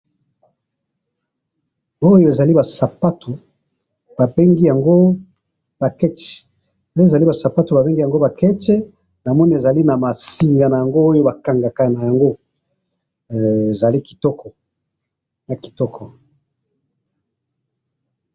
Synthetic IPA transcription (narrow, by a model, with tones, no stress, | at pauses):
o˦jo˨e˨za˨li˦ba˨sa˨pa˦tʰu˨ | b̥a˨be˦ŋɡi˦ja˨ŋɡo˦ | b̥a˨kɛ˦t͡ʃɛ̥˨ | o˦jza˨li˦ba˨sa˨pa˦tu˨ba˨be˦ŋɡi˦ja˨ŋɡo˦ba˨kɛ˦t͡ʃɛ˦ | na˨mɔ˦ni˦e˨za˨li˦na˨ma˨si˨ŋɡa˨na˨ja˨ŋɡo˦o˦jo˦ba˨ka˨ŋɡa˨ka˦˨na˨ja˨ŋɡo˦˨ | e˨za˨li˦ki̥˨tɔ˦kʰɔ˨ | na˨ki̥˨tɔ˦kʰɔ˨